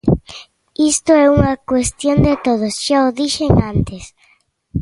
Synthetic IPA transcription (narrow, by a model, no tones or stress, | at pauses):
ist̪oɛuŋɐkwest̪jond̪et̪oð̞osʃaoðiʃeŋãnt̪es